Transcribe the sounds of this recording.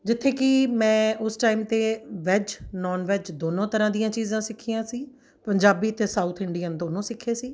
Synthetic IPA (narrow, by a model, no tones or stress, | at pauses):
d͡ʒɪt̪ʰːeːkɪmɛ̃ːʊsʈaːimt̪eːʋɛd͡ʒnɔːnʋɛːd͡ʒd̪oːnõːt̪əɾãːd̪ijãːt͡ʃiːzãːsɪkʰːiːãːsiː | pəɲd͡ʒaːbiːt̪eːsaːuːt̪ʰɪɳɖiːənd̪oːnõːsɪkʰːeːsiː